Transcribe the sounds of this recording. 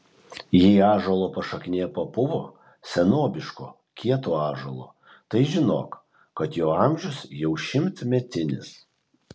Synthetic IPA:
jɛɪɑːʒɐlˠoːpɐʃɐkʲnʲeːpɐpʊʋoː | sʲɛnoːbʲɪʃko̰ː | kʲʰiɛt̪oːɑːʒolˠo̰ː | t̪ɐɪʒʲɪno̰ːk | kɐt̪joːɐmʲʒʲʊsjɛʊʃʲɪmʲt̪mʲɛt̪ʲɪnʲɪs

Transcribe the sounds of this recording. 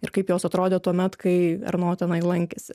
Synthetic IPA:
ɪ̰ɾkɐɪpjoːsɐt̪ɾoːd̪ʲɛt̪uɔmʲɛt̪kɐɪɐ̰rnoːt̪ʲɛnɐɪlˠɐŋʲkʲesʲɪ

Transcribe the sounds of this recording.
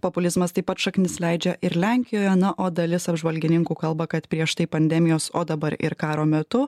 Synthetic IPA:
poːpʊlʲɪzmɐst̪ɐɪpɐt̪ʃɐknʲɪslʲɛɪd͡ʒʲɛʔɪɾlʲæŋʲkʲɪjoːjɛnɐʔoːd̪ɐlʲɪsɐbʒʋɐlʲɡʲɪnʲɪŋkuːkɐlˠbɐkɐt̪pʲɾʲiɛʃt̪ɐɪpɐnʲd̪ʲɛmʲɪjoːsoːd̪ɐbɐɾɪ̰ɾkɑːɾoːmʲɛt̪ʊ

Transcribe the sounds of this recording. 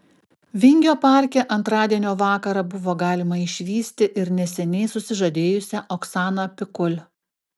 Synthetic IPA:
ʋʲɪŋʲɡʲoːpɑˑɾʲkʲɛʔɐnt̪ɾɑːd̪ʲiɛnʲoːʋɑːkɐɾɐbʊʋoːɡɑːlʲɪmɐɪʃʲʋʲiːsʲt̪ʲɪʔɪɾnʲɛsʲɛnʲɛɪsʊsʲɪʒɐd̪ʲeːjʊsʲɛʔoksɑːnɐpʲɪkʊlʲ

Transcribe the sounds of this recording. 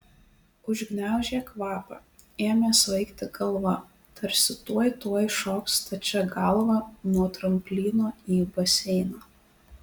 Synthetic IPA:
ʊʒʲɡnʲæˑʊʒʲeːkʋɑːpɐ̰ | eːmʲeːsʋɐɪkt̪ʲɪɡɐlˠʋɐ | t̪ʰɐɾʲsʲɪt̪uɔjt̪uɔjʃoːkst̪ɐt͡ʃʲɛɡɐlˠʋɐnuɔt̪ɾɐmʲpʲlʲiːnoːiːbɐsʲɛɪnoː

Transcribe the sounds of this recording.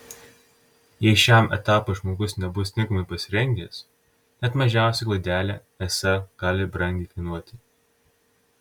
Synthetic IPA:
jɛɪʃʲæmɛ̰t̪ɑːpoʒmoːɡʊsnʲɛbʊst̪ʲɪŋkɐmɐɪpɐsʲɪɾʲɛŋʲɡʲeːs | nʲɛt̪mɐʒʲæˑʊsʲɛɪklˠɐɪd̪ʲæːlʲɛː | ɛsɐɡ̥ɑːlʲɪbɾɐŋʲd̪ʲiːkɐɪnuɔt̪ʲɪ

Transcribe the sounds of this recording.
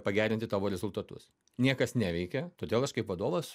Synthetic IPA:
pɐɡʲæːɾʲɪnt̪ʲɪt̪ɑːʋoːɾʲɛzʊlˠt̪ɐt̪ʊ̰s | nʲiɛkɐsnʲæːʋʲɛɪkʲɛt̪oːd̪ʲeːlˠɐʃkɐɪpʋɐd̪oːʋɐs

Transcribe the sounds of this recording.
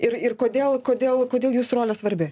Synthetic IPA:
ɪrɪrkoːd̪ʲeːlˠkoːd̪ʲeːlˠkoːdʲeːlˠjuːsroːlʲɛsʋɐɾʲbʲɪ

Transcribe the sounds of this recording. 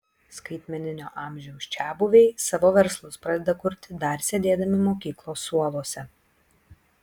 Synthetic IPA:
skɐɪt̪ʲmʲɛnʲɪnʲo̰ːʔɑˑmʲʒʲɛʊsʲt͡ʃʲæːbʊʋʲɛɪsɑʋoːʋʲɛɾslˠʊspɾɐd̪ʲɛd̪ɐkʊɾʲt̪ʲɪd̪ɐɾsʲɛd̪ʲeːd̪ɐmʲɪmoːkʲiːklˠoːsuɔlˠoːsʲɛ

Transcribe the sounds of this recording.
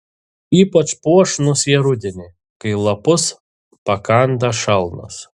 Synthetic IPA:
iːpɐt͡ʃpuɔʃnʊsjɛɾʊd̪ʲɪnʲɪ | kɐɪlˠɐpʊs | pɐkɐˑnd̪ɐʃɐlˠnʊ̰s

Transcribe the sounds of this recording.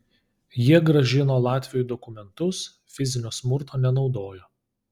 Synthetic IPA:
jiɛɡɾɐʒʲɪnoːlˠɑːt̪ʲʋʲɪjojud̪ɔkʊmʲɛnt̪ʊs | fʲɪzʲɪnʲoːsmʊɾt̪oːnʲɛnɒʊd̪oːjoː

